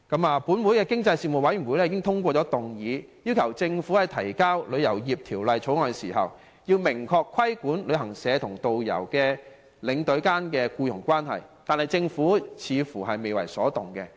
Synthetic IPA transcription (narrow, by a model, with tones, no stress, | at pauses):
kɐ˨˥maː˨˧puː˨˥nwu˨˧˥jkɛː˧kɪ˥ŋt͡sɐ˧jsiː˧˩mu˨˩wɐ˨˥jɥy˨˩wuː˨˧˥lɛ˥iː˨˧kɪ˥ŋt̪ʰʊ˥ŋkʷɔː˧ɔː˨˥t̪ʊ˨˩ŋjiː˨˧ji˥wkʰɐ˨˩wt͡sɪ˧ŋfuː˨˥hɐ˨jt̪ʰɐ˨˩jkaː˥wlɵ˨˧ɥjɐ˨˩wjiː˨p̚t̪ʰiː˨˩wlɐ˨jt͡ʃʰo˨˥wŋɔː˨˧jsiː˨˩ɦɐ̰˨˩w | jiː˧wmɪ˨˩ŋkʰɔː˧kʰːɐ˥jkuː˨˥nlɵ˨˧ɦɐ˨˩ŋsɛː˨˧t̪ʰʊ˨˩ŋt̪o˨wjɐ̰˨˩wkɛː˧ | lɪ˨˧˥ŋt̪ɵ˨˥ɥkaː˥nkɛː˧kuː˧jʊ˨˩ŋkʷwaː˥nɦɐ̰˨jt̪aː˨nhɐ˨jt͡sɪ˧ŋfuː˨˥t͡sʰiː˨˧fuː˨˩ɦɐ˨jme˨jwɐ̰˨˩jsɔː˨˥t̪ʊ˨˩ŋkɛ̰˧